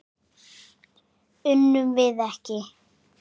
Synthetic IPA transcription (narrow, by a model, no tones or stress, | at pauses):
ʏnːʏmvɪðɛhcɪ